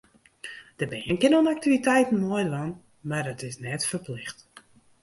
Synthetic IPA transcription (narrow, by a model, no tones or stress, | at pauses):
d̥əbɛənkɪnonak̚tivitɛjtən̩moəjʋan | mardɔtɪsnɛtfərplɪxt